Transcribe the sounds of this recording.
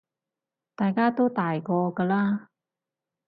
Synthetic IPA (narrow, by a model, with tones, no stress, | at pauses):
t̪aː˨˩jkaː˦˥t̪o˥wt̪aː˨˩jkɔː˧kəː˧laː˧